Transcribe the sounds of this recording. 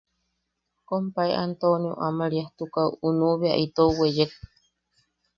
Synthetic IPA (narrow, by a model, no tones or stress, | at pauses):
kompaeʔant̪onio̰ʔamaɾiaht̪ukauunuβeaʔit̪owejek